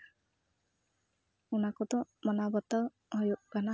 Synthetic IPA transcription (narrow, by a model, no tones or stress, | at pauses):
unakɔd̪ɔmɔnabɔt̪aw | ɦɔjuʔɡ̥ana